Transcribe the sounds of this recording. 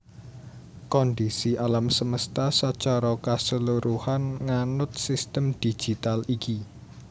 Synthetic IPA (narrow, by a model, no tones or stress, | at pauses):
kɔnd̪isiʔalamsəməst̪asat͡ʃaɾɔkasəluɾʔuhanŋanʊt̪̚sist̪əmd̪̥i̥d͡ʒ̥i̤t̪aliki